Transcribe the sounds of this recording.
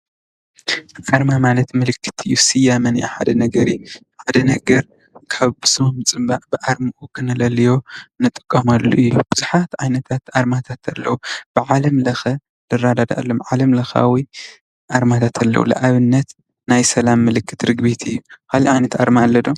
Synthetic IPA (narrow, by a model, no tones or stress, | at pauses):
ʔaɾmamalɐt̪mɨlɨkʰːɨ̥t̪ʰɨjːusɨjamɐnjuħa̰d̪ɐnɐɡɐɾij | ħad̪ɐnɐɡɐɾ | kʰaβbɨsomɨt͡sʼɨmbaʔbɨʔaɾmɨʔukʰɨnɐlɐlːijo̞nɨt̪ʼɨ̥kʼːɐmalːṵʔɨjːub̥ɨzuħat̪ʕajnɐt̪ʰat̪ʔaɾmat̪ʰat̪ʰɐlːɐ̰wub̥ɨʕalɐmlɐxɐ | dɨrːad̪ad̪a̰ʔlːomʕalɐmlɐxa̰wi | ʔaɾmat̪ʰat̪ʰɐlːɐ̰wṵlɐ̰ʔaβɨnːɐt̪ | najsɐlamːɨlɨkːɨt̪ɾɨɡbit̪ʰɨjːukʰaliʕajnɐt̪aɾmaːlːɐd̪o